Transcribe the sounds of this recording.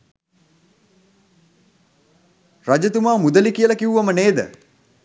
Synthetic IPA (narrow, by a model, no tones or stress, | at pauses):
rad͡ʒət̪umaːmud̪əlikijəlakiuʋaməneːd̪ə̰